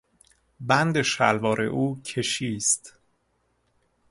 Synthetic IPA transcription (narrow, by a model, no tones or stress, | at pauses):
bænd̪eʃælvɒːɾʔe̞̰ʔuːcʰe̞ʃiːst̪